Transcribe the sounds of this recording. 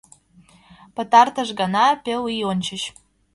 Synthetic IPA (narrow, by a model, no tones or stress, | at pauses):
pə̆t̪ɑrt̪əʃɡɑnɑpʲelɯjont͡ɕə̆ɕ